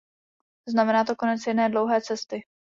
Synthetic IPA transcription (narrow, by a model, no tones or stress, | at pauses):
znamɛnaːt̪o̞ko̞nɛt͡sjɛdnɛːdlo̞wɦɛːt͡sɛst̪ɪ